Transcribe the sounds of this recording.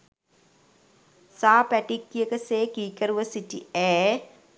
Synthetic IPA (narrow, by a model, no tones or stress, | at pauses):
saːpæʈikːijəkəseːkiːkəɾuʋəsiʈiɛː